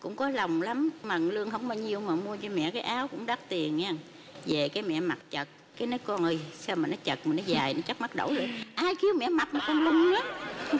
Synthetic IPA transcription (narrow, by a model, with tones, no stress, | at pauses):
kʊ̰˧˥ŋ͡mkɔ˨˦lə˨˩wŋ͡mla˨˦mma˨˩ŋlɨ˧əŋhə˧wŋ͡mmaː˨˩ɲi˨˩əwmaː˨˩mu˧ət͡ɕɔ˧mɛ̰˧˨kaː˨˦jʔaː˨˦wkʊ̰˧˥ŋ͡mɗaː˦˥t̚t̪i˨˩ənɲaː˧ŋ | ve˨˩kaː˨˦jmɛ̰˧˨ma˨˩t̚t͡ɕə˨˩t̚ | kaː˨˦jnə˨˦jkɔ˧nʔəː˧jsa˧maː˨˩nɔ˨˦t͡ɕə˨˩t̚ma˨˩nːɔ˨˦zaː˨˩jnɔ˨˦t͡ɕa˦˥k̚ma˦˥t̚ɗə̰˧˩wlo˨˩jʔaː˧jki˧˦əwmɛ̰˧˨ma˨˩t̚ma˨˩kɔ˧nlə˨˧˩ŋ͡mɲa˨˦